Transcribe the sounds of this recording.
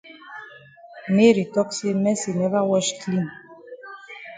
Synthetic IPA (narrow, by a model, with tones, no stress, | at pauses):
me˦ɾi˨tɔ˦kse˦mɛ˦si˨nɛ˦va˦wɔ˦ʃkli˦˨n